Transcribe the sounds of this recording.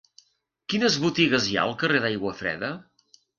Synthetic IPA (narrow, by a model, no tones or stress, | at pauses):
kinəzβut̪iɣəzja̰əlˠkəreðajɣwəfɾɛ̰ðə